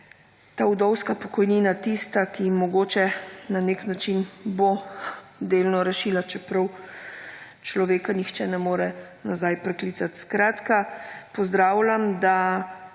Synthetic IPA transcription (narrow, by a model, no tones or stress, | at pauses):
t̪aːud̪ɔwskapɔkɔjniːnat̪ist̪akimɔɡoːt͡ʃɛnaneknat͡ʃinbo | d̪eːlnɔɾɛʃiːlat͡ʃɛpɾɐw | t͡ʃlɔʋeːkanixt͡ʃɛnɛmoːɾɛ | nazajpɾɛkliːt̪sat̪skɾaːt̪kapɔzd̪ɾaːwlʲamd̪a